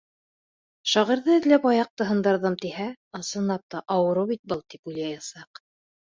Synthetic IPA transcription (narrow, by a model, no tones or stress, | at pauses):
ʃɑʁĭɾðɤɘ̆ðlæpɑjɑq̚t̪ɤ̆ɦɤ̆nd̪ɑɾðɤmt̪ihæ | ɑsɤ̆nɑp̚t̪ɑʔɑwɤ̆ɾɤwβit̪̚bɤlˠt̪ipujlˠɑjɑsɑq